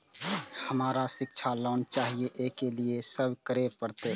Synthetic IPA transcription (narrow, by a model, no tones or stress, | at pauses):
həmaːɾasɪkt͡ʃʰalɔːnt͡ʃaːɦieʔeːkeliesəbkəɾepəɾt̪eː